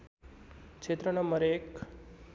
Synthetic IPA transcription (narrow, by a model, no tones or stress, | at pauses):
kt͡ʃʰet̪ɾənəməɾek